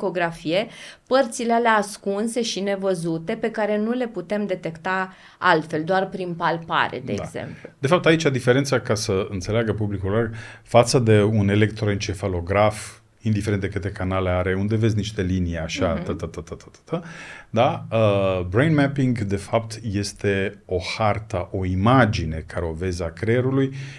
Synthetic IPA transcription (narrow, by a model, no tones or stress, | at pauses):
ko̞ɡɾafije̞pərt̪silealeaskunse̞ʃine̞vəzut̪e̞pe̞kaɾe̞nule̞put̪e̞md̪e̞t̪e̞kt̪a | alt̪fe̞ld̪oarpɾinpalpa̰ɾḛd̪ḛaɡze̞̰mplud̪̥e̞fap̚t̪ait͡ʃad̪ifeɾe̞nt̪səkasəɨnt̪se̞leaɡəpublikulorfat̪səd̪e̞une̞le̞kt̪ɾoent͡ʃe̞falo̞ɡɾaf | ind̪ife̞ɾent̪d̪ekɨt̪e̞kanale̞aɾe̞und̪e̞ve̞zʲniʃt̪e̞liniaʃat̪ət̪ət̪ət̪ət̪ə̥t̪ə̥t̪əd̪aəbɾejnmɛpiŋɡd̪e̞fap̚t̪je̞st̪e̞o̞hart̪əʔo̞imad͡ʒine̞kʰaɾeo̞ve̞zakɾeɾuluj